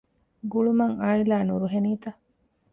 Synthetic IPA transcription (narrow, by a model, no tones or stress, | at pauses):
ɡuɭumɐŋaːilaːnuɾuɦeniːt̪ɐ